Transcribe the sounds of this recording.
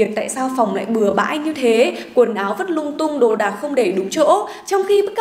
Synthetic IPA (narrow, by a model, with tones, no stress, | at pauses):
ət̚t̪a̰ː˧˨jsaː˧wfɔ˨˩wŋ͡mla̰ː˧˨jɓɨ˨˩əɓa̰ː˧˥jɲɨ˧t̪ʰe˨˦kwənʔaː˨˦wvə˦˥t̚lʊ˧ŋ͡mt̪ʊ˧ŋ͡mɗo̰˧˨ɗaː˨˩ŋxə˧wŋ͡mɗe˧˩ɗʊ˨˦ŋ͡mt͡ɕo̰˧˥ | t͡ɕɔ˧wŋ͡mxi˧ɓ̚k